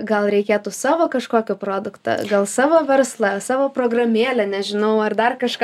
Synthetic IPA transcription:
ɡɐlˠɾʲɛɪkʲeːt̪ʊsɑːʋoːkɐʃkoːkʲʊproːd̪ʊkt̪ɐ̰ɡɐlˠsɑːʋoːʋʲɛrslˠɐsɑːʋoːpɾoːɡrɐmʲeɛlʲɛnʲɛʒʲɪnɐʊɐrd̪ɐrkɐʃkɐ

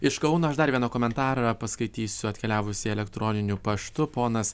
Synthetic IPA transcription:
ɪʃkɐʊnoːɐʃd̪ɐɾʋʲiɛnoːkoːmʲɛnt̪ɑːɾɐpɐskɐɪt̪ʲiːsʲʊɐt̪ʲkʲɛlʲæːʋʊsʲɪɛlʲɛkt̪ɾʔɔːnʲɪnʲʊpɐʃt̪ʊpoːnɐs

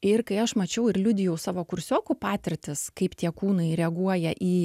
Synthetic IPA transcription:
ɪrkɐɪɐʃmɐt͡ʃʲɛʊɪɾlʲʊd̪ʲɪjɛʊsɑːʋoːkʊɾʲsʲoːkʊpɑːt̪ʲɪɾʲt̪ʲɪskɐɪpt̪ʲiɛkuːnɐɪɾʲɛɐɡuɔjɛʔiː

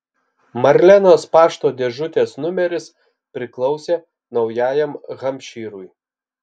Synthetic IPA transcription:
mɐɾʲlʲænoːspɑːʃt̪oːd̪ʲeʒʊt̪ʲeːsnʊmʲɛɾʲɪs | pʲɾʲɪklˠɒʊsʲeː | nɒʊjæːjɛmɣɐmʲʃʲiːɾʊj

